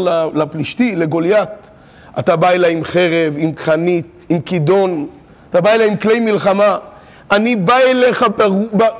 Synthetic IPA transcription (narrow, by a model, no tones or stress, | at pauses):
lalapliʃt̪ile̞ɡo̞ljat̪ | at̪abaelaimχeʁevimkχanit̪ | imkid̪o̞n | at̪abaelaimkle̞jmilχama | anibaele̞χababa